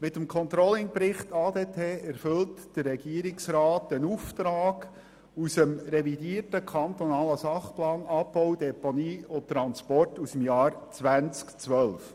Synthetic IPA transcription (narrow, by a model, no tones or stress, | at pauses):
mɪt̪əmkʰɔnt̪ɾɔlɪŋpɾɪχt̪ɑːd̪eːtʰeːʔɛɾfʏltd̥ərːɛɡ̥iəɾɪksɾɑːtənuft̪ɾɑːɡ̥ | usəmɾɛvidiːərtəkʰχɑnt̪ɔnɑːləsɑχplɑːnɑpːɔwd̥̪ɛponiːʊt̪ːɾɑnspɔrtusəmjɑːɾt͡sʋænt͡skt͡sʋœlf